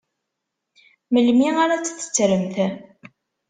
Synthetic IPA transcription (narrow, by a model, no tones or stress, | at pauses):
məlmiaɾat͡sːθːə̥t͡sːɾəmθæ